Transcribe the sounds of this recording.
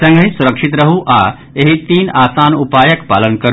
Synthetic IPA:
sɐ̃ŋɡəɦĩsʊɾəkʂɪt̪ɾɐɦuʔaː | eɦit̪iːnaːsaːnupaːjəkpa̰ːlənkɐɾ

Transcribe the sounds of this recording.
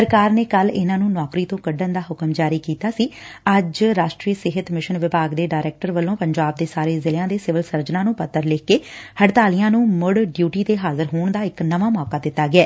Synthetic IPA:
səɾkaːɾneːkəlɪnãːnũːnɔːkɾiːt̪õːkəɖənd̪aːɦʊkəmd͡ʒaːɾiːkiːt̪aːsiː | əd͡ʒɾaːʃʈɾiːəsɪɦət̪mɪʃənʋɪbaːɡd̪eːɖaːɾɛːk̚ʈəɾʋəlːõːpəɲd͡ʒaːb̚d̪eːsaːɾeːzɪlːãːd̪eːsɪʋəlsəɾd͡ʒnãːnũːpət̪ːəɾlɪːkeːhəɖt̪aːlɪjãːnũːmʊɽɖjuːʈiːt̪eːɦaːzəɾɦoːɳd̪aːɪknəʋaːmɔːkaːd̪ɪt̪ːaːɡɪɛː

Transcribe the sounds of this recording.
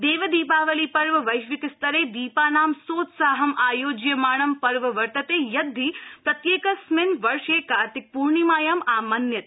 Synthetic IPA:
d̪eːʋɐd̪iːpaːʋɐliːpɐɾʋɐʋɐjʃʋɪk̪st̪ɐɾeːd̪iːpaːnaːmsoːt̪saːɦɐmaːjoːd͡ʒjɐmaːɳ̃ɐmpɐɾʋɐʋɐɾt̪ɐt̪eːjɐd̪ʱːiːpɾɐt̪jeːkɐsmɪnʋɐɾʃeːkaːɾt̪ɪk̚puɾɳimaːjɐmaːmɐnjɐt̪

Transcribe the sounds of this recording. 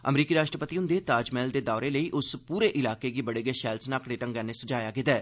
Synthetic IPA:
ə̰mɾiːkiːɾaːʃʈɾəpət̪iːɦʊ̃nd̪eːt̪aːd͡ʒmɛːld̪eːd̪aːɾeːləiːʔʊspuːɾeːʔɪlaːkeːɡibəɽeːɡeːʃɛːlsnaːkɽeːʈə̃ŋɡɛːnesəd͡ʒaːjaːɡɪt̪ɛː

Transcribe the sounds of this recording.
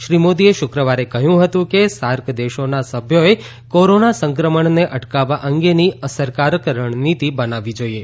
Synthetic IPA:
ʃɾimod̪ieʃʊkɾəʋaɾekəɦjũɦət̪ũkesaɾkd̪eʃonasəbʱjoe | koɾonasə̃ŋkɾəməɳneʔəʈkaʋaʔəŋɡeniəsəɾkaɾəkɾəɳ̃nit̪ibənaʋid͡ʒoie

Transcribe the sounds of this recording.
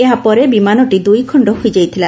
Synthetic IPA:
eɦapɔɾebimanɔʈid̪ujkʰɔɳɖɔɦojd͡ʒajt̪ʰila

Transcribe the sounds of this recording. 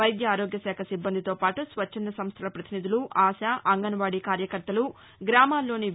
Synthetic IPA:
ɐjd̪jɐaːɾoːɡjɐsɛːkʰɐsibːɐnd̪ʱit̪oːpaːʈusʋɐt͡ʃʰːɐnd̪ɾɐsɐmst̪ʰɐlɐpɾɐt̪inid̪uluʔaːsaʔɐŋɡɐnʋaːɽikaːɾjɐkɐɾt̪ɐlu | ɡɾaːmaːlːo̞ːni

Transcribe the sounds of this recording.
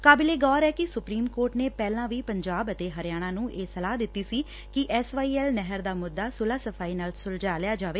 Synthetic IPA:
kaːbɪleːɡɔːɾɛːkɪsʊpɾiːmkoːɾʈneːpɛːlãːʋiːpəɲd͡ʒaːbət̪eːɦəɾjaːɽ̃ãːnũːʔeːsəlaːɦd̪ɪt̪ːiːsiː | kɪʔɛːsʋaːiːɛːlnɛɦəɾd̪aːmʊd̪ːaːsʊlaːsəfʰaːiːnaːlsʊld͡ʒaːlɪjaːd͡ʒaːʋeː

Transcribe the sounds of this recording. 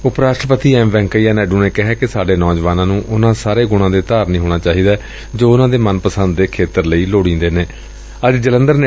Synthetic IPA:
ʊpɾaːʃʈɾəpət̪iːɛ̃ːmʋɛ̃ːŋkiːaːnɛːɖuːneːkɪɦɛːkɪsaːɖeːnɔːd͡ʒʋaːnãːnũːʔʊnãːsaːɾeːɡʊɽ̃ãːd̪eːt̪aːɾnĩːɦoːɽ̃aːt͡ʃaːɦiːd̪aː | d͡ʒoːʊnãːd̪eːmənpəsənd̪d̪eːkʰeːt̪əɾləiːloːɽĩːnd̪eːneː | əd͡ʒd͡ʒələ̃nd̪əɾ

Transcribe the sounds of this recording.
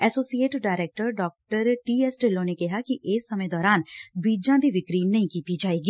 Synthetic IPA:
ɛːsoːsieːʈɖaːɾɛːk̚ʈəɾɖɔːk̚ʈəɾʈiːɛːsʈelõːneːkɪɦaːkɪʔɪːsːəmẽːd̪ɔːɾaːnbiːd͡ʒãːd̪iːʋɪkɾiːnːəĩːkiːt̪iːd͡ʒaːeːɡiː

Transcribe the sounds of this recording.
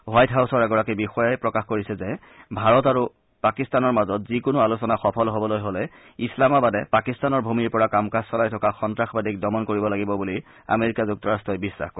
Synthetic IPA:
wajtɦawsɔɹɛɡɔɹakibixɔjajpɹɔkaxkoɹisɛzɛ | bʱaɹɔtaɹu | pakistanɔɹmazɔtzikʊnʊalusɔnaxɔpʰɔlɦobɔlojɦolɛ | islamabadɛpakistanɔɹbʱumiɹpɔɹakamkassɔlajtʰɔkaxɔntɹaxbadik̚dɔmɔnkoɹibɔlaɡibɔbuli | a̰meɹikazuk̚tɔɹastɹɔjbisɹa̰xkɔɹ

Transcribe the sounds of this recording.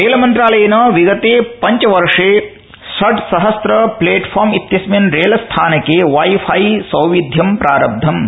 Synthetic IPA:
ɾeːlɐmɐnt̪ɾaːlɐjɐnɐʋiɡɐt̪eːpɐɲt͡ʃɐʋɐɾʂeː | sɐɖsɐɦɐst̪ɾɐpleːʈpʰaːɾmit̪jɐsmɐnɾeːlɐst̪ʰaːnɐkeʋajfʰajisɐwʋid̪ʱjɐmpɾaːɾɐb̚d̪ʱɐm

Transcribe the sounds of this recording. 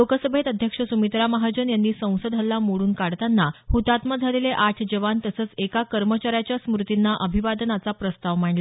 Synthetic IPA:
lokəsəbʱet̪əd̪ʱjəkʂəsumit̪ɾaməɦad͡ʑənjanːiːsə̃w̃səd̪ʱalːamoɽuːnkaɽt̪anːahut̪at̪mad͡zʱaleleʔaʈʰd͡ʑəʋant̪əsəːt͡sekakəɾmət͡ɕaɾjat͡ɕjasmɾut̪inːaʔəbʱiʋad̪ənat͡sapɾəst̪aʋm̤aɳla

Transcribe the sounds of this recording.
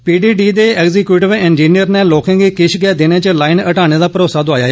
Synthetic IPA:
piːɖiːɖiːd̪eːɛːɡzikjuːʈɪʋɛ̃ːnd͡ʒiːnijəɾneːloːkẽːɡeːkɪʃɡɛːd̪ɪneːt͡ʃəlaːɪnəʈaːɽ̃eːd̪aːpəɾoːsaːd̪ʊaːjaːɛ

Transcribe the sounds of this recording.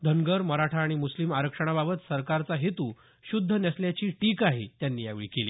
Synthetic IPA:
d̪ʱəŋɡəɾməɾaʈʰaːɽ̃imuslimaɾəkʂəɽ̃ababət̪səɾkaɾt͡saɦet̪uː | ɕud̪ʱːənjasljat͡ɕiːʈiːkaɦet̪janːiːjaʋɭḭːkelḭː

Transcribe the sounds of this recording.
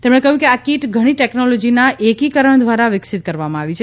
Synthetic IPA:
t̪emɽekəɦjũkeakiʈɡʱəɽ̃iʈɛknolɔd͡ʒinaʔekikəɾəɳd̪ʋaɾaʋɪksɪt̪̚kəɾʋamãaʋit͡ʃʰe

